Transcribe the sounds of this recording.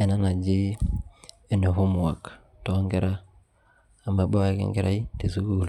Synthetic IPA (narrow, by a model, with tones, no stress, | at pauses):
e˨na˦na˨d͡ʒi˦ | e˨ne˨ɦu˦m˨a˨k | to˦ŋɡe˦ɾa˦ | a˨me˨bo˦e˦kḛ˦ŋɡe˦ɾʔa̰˦i˦te˨su˦ɡu˦˨l